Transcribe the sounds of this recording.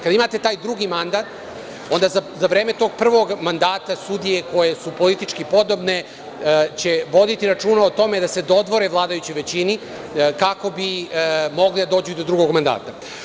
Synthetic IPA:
kad̪aimat̪e̞t̪aːjd̪ɾuɡimand̪at̪ | o̞nd̪azzaʋɾe̞ːmet̪o̞ɡ̚pr̩ʋo̞ɡmand̪aːt̪asud̪ijeko̞je̞supo̞lit̪it͡ʃkipo̞d̪o̞bne̞ | t͡ɕe̞ʋo̞d̪it̪iɾat͡ʂuːnaot̪o̞med̪ase̞d̪o̞d̪ʋo̞ɾevlˠaːd̪ajut͡ɕojʋe̞t͡ɕini | kako̞bimo̞ɡlid̪ad̪o̞ːd͡ʑuid̪o̞d̪ɾuɡo̞ɡmand̪a̰ːt̪a

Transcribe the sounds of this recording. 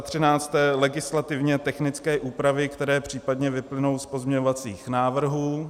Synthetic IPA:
t̪r̝̥ɪnaːt͡st̪ɛːlɛɡɪslat̪ɪvɲɛt̪ɛxnɪt͡skɛːʔuːpɾavɪkt̪ɛɾɛːpr̝̥iːpad̪ɲɛvɪplɪno̞wspo̞zmɲɛɲovat͡siːxnaːvr̩ɦuː

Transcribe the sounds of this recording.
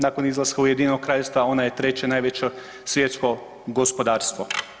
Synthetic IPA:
naːko̞nizlˠaskaujed̪iːnok̚kːɾaːʎest̪ʋao̞najet̪ɾe̞t͡ɕe̞naːjʋet͡ɕe | sʋje̞t̪sko̞ | ɡospo̞d̪aːɾst̪ʋo

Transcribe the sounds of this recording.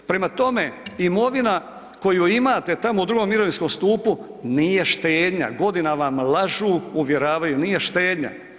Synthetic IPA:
pɾe̞mat̪o̞me̞imo̞ʋina | ko̞juimaːt̪e̞t̪amoud̪ɾuɡo̞mːiɾoʋinsko̞mst̪uːpunije̞ʃt̪eːd̪ɲa̰ɡo̞d̪inaʋamlaʒuːuʋje̞ɾaːʋajunije̞ʃt̪eːd̪ɲa̰

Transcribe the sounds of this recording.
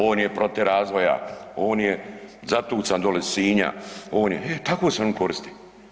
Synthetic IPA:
oːnjepɾo̞t̪eɾaːzʋo̞ja̰oːnjezat̪uːt̪sand̪olesiːɲa̰oːnjeet̪akoːseoːnko̞ɾist̪i̥

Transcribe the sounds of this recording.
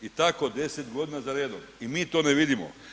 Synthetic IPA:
it̪ako̞d̪e̞se̞t̪ɡo̞d̪inazaɾeːd̪omimiːt̪o̞ːneʋid̪imo̰

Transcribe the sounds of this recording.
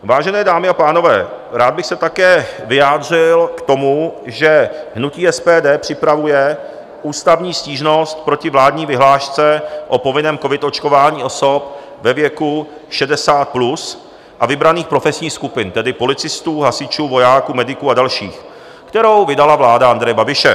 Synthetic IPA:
vaːʒɛnɛːdaːmɪapaːno̞vɛ̰ː | ɾaːd̪̚bɪxsɛt̪akɛːvɪjaːd̪r̝ɪlkt̪o̞muʒɛɦnuciːʔɛspɛːdɛːpr̥ɪpɾavujɛ | ʔuːst̪avɲiːsciːʒno̞st̪pɾo̞cɪvlaːdɲiːvɪɦlaːʃt͡sɛʔo̞po̞vɪnɛːmko̞vɪt̪o̞t͡ʃko̞vaːɲiːʔo̞so̞p̚ | vɛvjɛkuʃɛdɛsaːt̪̚plus | ʔavɪbɾaniːxpɾo̞fɛsɲiːxskupɪnt̪ɛdɪpo̞lɪt͡sɪst̪uːɦasɪt͡ʃuːvo̞jaːkuːmɛdɪkuːadalʃḭːx | kt̪ɛɾo̞wvɪdalavlaːdaand̪ɾɛjɛbabɪʃɛ

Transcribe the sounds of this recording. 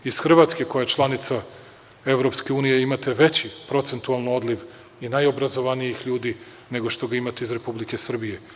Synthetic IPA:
iz̥xr̩ʋat̪ske̞ko̞jajet͡ʃlˠanit̪sa | e̞ʋɾo̞pske̞uːnijeimat̪eʋe̞t͡ɕipɾo̞t̪se̞nt̪ualˠnoo̞d̪liʋ | inajo̞bɾazo̞ʋanijixʎuːd̪i | ne̞ɡo̞ʃt̪o̞ɡaimat̪eizɾe̞publike̞sr̩bije̞

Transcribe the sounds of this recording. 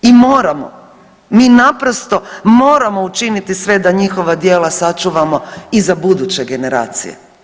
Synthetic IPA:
imoːɾamo̰ | miːnapɾo̞st̪o̞mo̞ːɾamo̞ut͡ʃinit̪isʋe̞d̪aɲixo̞ʋad̪jeːlasat͡ʃuʋamo̞izabud̪ut͡ɕeɡe̞ne̞ɾa̰ːt̪sḭjḛ

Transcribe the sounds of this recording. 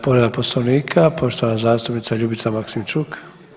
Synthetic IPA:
poɾed̪aposloʋniːkʰapo̞ʃt̪oʋanazaːst̪upnit̪saʎubit̪samaksimt͡ʃuk

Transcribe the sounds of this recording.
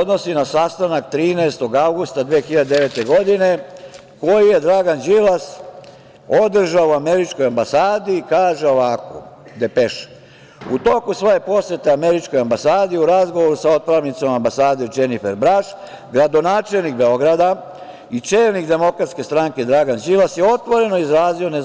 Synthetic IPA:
od̪no̞sinasast̪anak̚t̪ɾiːneest̪o̞ɡawɡust̪ad̪ʋeːxiʎad̪ed̪eʋet̪eɡo̞d̪ine̞ | ko̞jije̞d̪ɾaɡand͡ʒilas | o̞d̪r̩ʒaouameɾit͡ʃko̞jambasaːd̪ikaːʒe̞o̞ʋako̰ | d̪epeʃ | ut̪o̞kusʋo̞je̞po̞sjet̪eameɾit͡ʃko̞jambasaːd̪iuɾazɡo̞ʋoɾusao̞t̪̚pɾaʋnit̪so̞mambasaːd̪id͡ʒenifeɾbɾaʃ | ɡɾad̪o̞naːt͡ʃelnik̚be̞o̞ɡɾad̪a | it͡ʂe̞ːlnikd̪e̞mo̞kɾat̪ske̞st̪ɾaŋke̞d̪ɾaɡand͡ʒilasjeo̞t̪ʋo̞ɾe̞noizɾaːzio̞ne

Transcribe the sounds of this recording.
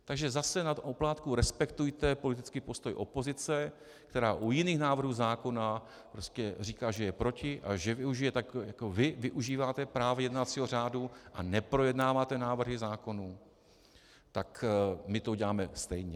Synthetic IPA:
t̪aɡʒɛzasɛnat̪ʔoplaːt̪kuɾɛspɛkt̪ujt̪ɛpo̞lɪt̪̬ɪt͡skipo̞st̪o̞jʔo̞po̞zɪt͡sɛ | kt̪ɛɾaːʔujɪniːxnaːvr̩ɦuːzaːko̞na | pɾo̞scɛriːkaːʒɛjɛpɾo̞cɪʔa̰ʒɛvɪuʒɪjɛt̪akjakovɪvɪʔuʒiːvaːt̪ɛpɾaːvɛjɛdnat̪t͡siːɦo̞r̝aːduʔanɛpɾo̞jɛdnaːvaːt̪ɛnaːvr̩ɦɪzaːko̞nu | t̪akmɪt̪oɟɛlaːmɛst̪ɛjɲɛ

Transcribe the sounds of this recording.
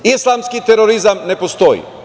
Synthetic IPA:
islˠamskit̪eɾoɾizamne̞post̪o̞jḭ

